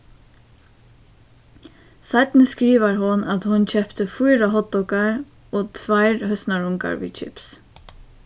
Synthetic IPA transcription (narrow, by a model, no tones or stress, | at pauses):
sajt̪nəskɾiːʋaɹɦʊnat̪hʊnt͡ʃʰɛpt̪əfujɾaɦɔt̪ːɔkaɹ | ɔt̪ʰvajɹhœsnaɹʊŋka̰ɹvḭt͡ʃʰɪ̰ps